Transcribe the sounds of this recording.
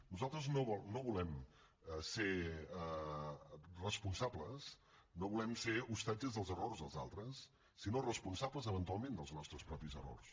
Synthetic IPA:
nuzalˠt̪ɾəznoβɔlnoβulɛm | əseə | rəspunsabləs | noβulɛmseust̪ad͡ʒəzðəlˠzərorzðəlˠza̰lˠt̪ɾəsː | inorəspunsabləzəβənt̪ualˠmẽnd̪əlˠznɔst̪ɾəspɾɔpizəro̰rs

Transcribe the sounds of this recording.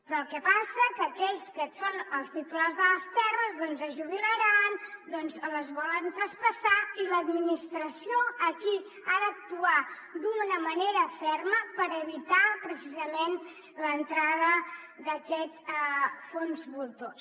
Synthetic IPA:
pɾɔːlˠkɛpasəkəːkɛʎskəsonəlˠst̪it̪ularzðələst̪ɛrəzðɔnzəʒuβiləɾand̪ɔnzləzβɔlənt̪ɾəspəsailəd̪minist̪ɾəsioəki | aðək̚t̪ua | d̪unəməneɾəfɛɾməpəɾəβit̪apɾəsizəmen | lənt̪ɾaðə | ðəkɛt͡sfonzβulˠt̪os

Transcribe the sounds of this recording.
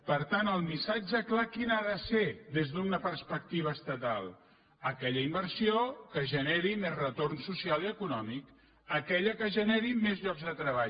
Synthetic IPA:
pəɾt̪anəlˠmisad͡ʒəklakinaðəseðezðunəpərspək̚t̪iβ̞əːst̪ət̪alˠ | əkɛʎəimbəɾrsiokəʒəneɾimezrət̪ornsusialiəkunɔmik | əkɛʎəkəʒəneɾimezʎɔɡzðət̪ɾəβaʎ

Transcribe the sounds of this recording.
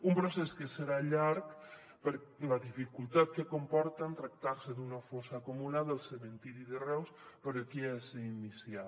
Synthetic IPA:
umpɾosɛskeseɾaʎaɾk | pəɾlaðifikulˠt̪at̪̚kekompɔɾt̪ant̪ɾak̚t̪aɾseðunafosaːkumulaðalˠseβent̪iɾiðerɛws | pəɾokiɛsinisja

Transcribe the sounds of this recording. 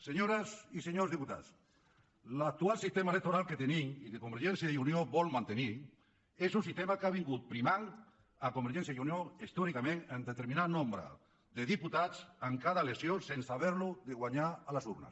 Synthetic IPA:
seɲoɾasiseɲozðiput̪a̰t͡s | lak̚t̪ualsist̪emaelek̚t̪oɾalket̪eniŋikekombeɾʒensjaiunjoβɔlmãnt̪eni | esunsist̪emakaβiŋɡut̪̚pɾimaŋ | akombeɾʒens̬jajunjoist̪ɔɾikamẽŋend̪et̪eɾmĩnanõmbɾa̰ | ðeðiput̪at͡saŋkaðalesjosensaβeɾluðeɣwaɲaalasuɾna̰s

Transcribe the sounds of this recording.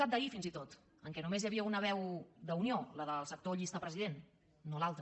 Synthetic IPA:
ap̚d̪əifinzit̪ot̪ | əŋkɛnumezjəβiəunəβ̞ɛwd̪əunioləðəlˠsək̚t̪oʎist̪əpɾəziðenː | olalˠt̪ɾə

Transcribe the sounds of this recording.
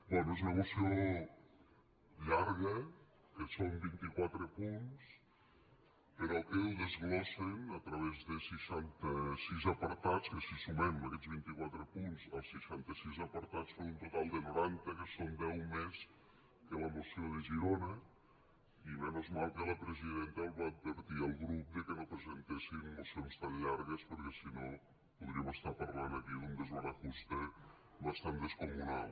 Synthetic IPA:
bwɛnoezunəmusio | ʎaɾɣə | kəsombint̪ikwat̪ɾəpuns | pəɾɔkewðəzɣlɔsenət̪ɾəβezðəsəʃant̪əsizəpəɾt̪at͡skəsisumɛməkɛd͡zβint̪ikwat̪ɾəpunzəlˠsːəʃant̪əsizəpəɾt̪at͡sfonunt̪ut̪alˠd̪ənuɾant̪əkəsond̪ɛwmes | kələmusioðəʒiɾonə | imɛnozmalˠkələpɾəziðent̪əːlˠβaːd̪̚bəɾt̪iəlˠɣɾup̚d̪əkənopɾəzənt̪esinːusionst̪anʎaɾɣəspəɾkɛsino | puðɾiəməst̪apəɾlanəkiðund̪əzoɾəxust̪ə | βəst̪and̪əskumunalˠ

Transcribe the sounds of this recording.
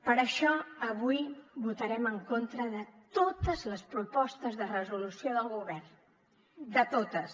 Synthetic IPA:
pəɾəʃɔəβujβut̪əɾɛməŋkont̪ɾəðət̪ot̪əzləspɾupɔst̪əzðərəzulusioðəlˠɣuβɛrn | d̪ət̪ot̪əs

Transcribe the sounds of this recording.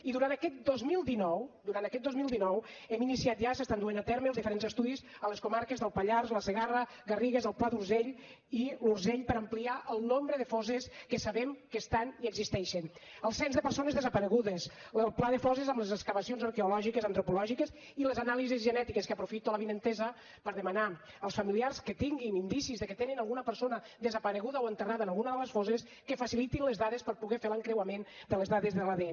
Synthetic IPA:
iðuɾant̪əkɛt̪̚d̪ozmilˠd̪inɔwd̪uɾant̪əkɛt̪̚d̪ozmilˠd̪inɔwɛminisiat̪ʒasəst̪and̪uenat̪ɛɾməlˠzðifəɾenzəst̪uðizələskumaɾkəzðəlˠpəʎarzləsəɣarə | ɣəriɣəzəlˠplaðuɾzeʎ | iluɾzeʎpəɾəmpliaʔəlˠnombɾəðəfɔzəskəsəβɛmkəst̪aniəɡzist̪ɛʃənəlˠsɛnzðəpəɾsonəzðəzəpəɾəɣ̞uðəsəlˠplaðəfɔzezəmləzəskəβəsionzəɾkeulɔʒikəzənt̪ɾupulɔʒikəs | iləzanalizizʒənɛt̪ikəskəpɾufit̪uələβinənt̪ɛzə | pəɾðəməna | əlˠsfəmiliaɾskət̪iŋɡinind̪isizðəkət̪eninalˠɣunəpəɾsonə | ðəzəpəɾəɣuðəoənt̪əraðənalˠɣunəðələsfɔzes | kəfəsilit̪inləzðaðəspəɾpuɣɛfeləŋkɾewəmend̪ələzðaðəzðəlaðe

